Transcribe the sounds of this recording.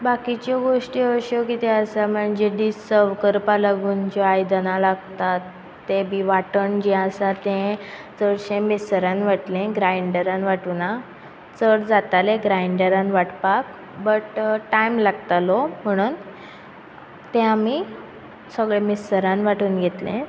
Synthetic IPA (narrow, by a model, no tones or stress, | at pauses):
bakit͡ɕɔɡoʂʈiəʂjokit̪eəsam̤əɳd͡ʑeɖisəɾʋkəɾpalaɡuːnd͡ʑɔajd̪ənalaɡt̪at̪ː | ebʱiʋaʈəɳd͡ʑiəsat̪ẽ | t͡səɽɕẽmisɾãnʋaʈlẽɡɾajɳɖəɾãnʋaʈuna | t͡səɽd͡zat̪aleɡɾajɳɖəɾãnʋaʈpak | bəʈʈajmlaɡt̪alom̤əɽ̃uːn | t̪ẽami | səɡɭemisɾãnʋaʈuːnɡʱet̪lḛ̃